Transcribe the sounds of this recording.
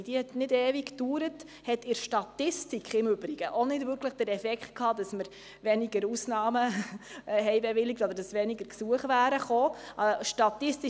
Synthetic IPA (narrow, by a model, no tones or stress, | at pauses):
d̥iəhɛt̪nɪdɛːvikd̥uːɾət | hɛtɪɾʃtɑtɪstikχɪmʏb̥ɾiɡ̥əʔonɪdvʏɾkʰləχd̥əɾɛfɛkχtkʰhɑːd̪ɑsməɾ | ʋɛniɡəɾusnɑːmə | ɦɛɪbɛʋɪlɪk̚tɔd̪əɾdɑsʋɛniɡəɾksuəχʋæːɾəχoːʔɑʃtɑt̪ɪsti